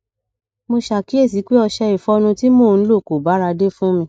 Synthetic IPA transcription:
mo˧ʃa˨ki˨˦e˦˨s̬i˨˦k͡pe˦ɔ˧ʃɛ˧i˨fɔ˧˦nũ˧ti˦mo˦˨n̩˦lo˦˨ko˨ba˨˦ɾa˧de˦fũ˦mĩ˧

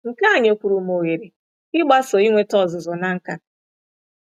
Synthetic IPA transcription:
ŋ̩˨ka˦˨ɲ˦o˦kʷu˨ɾu˨mo˨ɣe˨ɾe˨ | ɪ˦ɡ͡ba˦so˨i˦ŋʷe˦tɔ˦˨zʊ˨zɔ˨na˦ŋ̩˦ka˦

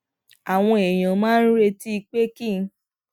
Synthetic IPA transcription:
a˨w̃ɔ̃˧e˨j̃ã˨˦mãː˦n̩˦ɾe˧ti˦i˧k͡pe˦ki˦˨˦

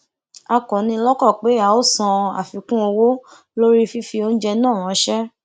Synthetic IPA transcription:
a˧kɔ̃˨nĩ˧lɔ˦kɔ˦˨k͡pe˨˦a˨o˦˨sã˧a̰˨fi˨kũ˦o˧wo˦ | lo˦ɾi˦fi˦fi˧o˦n̩˦d͡ʒɛ˧nãː˦˨ɾ̃ɔ̃˨˦ʃɛ˦

